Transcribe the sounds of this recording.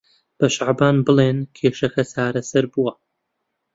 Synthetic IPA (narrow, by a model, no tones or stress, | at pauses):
b̥ɐʃaʕbaːnbɨlˠeːnkʰeːʃɐxɐsaːɾɐsɐɾbuwɐ